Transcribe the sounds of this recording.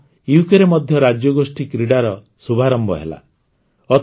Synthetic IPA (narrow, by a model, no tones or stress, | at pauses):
iukeɾemɔd̪ʱjɔɾad͡ʒjɔɡosʈikɾiɽaɾɔ | subʱaɾɔmbɔ̰ɦḛla̰ | ɔ